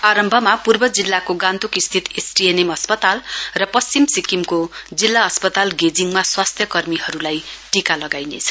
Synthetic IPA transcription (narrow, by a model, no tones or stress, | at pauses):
aɾʌmbʱʌmapurbʌd͡zilːakoɡãnt̪ukist̪ʰit̪esʈienemʌspʌt̪alrʌpʌst͡simsikimkod͡zilːaʌspʌt̪alɡed͡ziŋmaswast̪ʰjʌkʌrmiɦʌɾulajʈikalʌɡajnḛt͡sʰʌ̥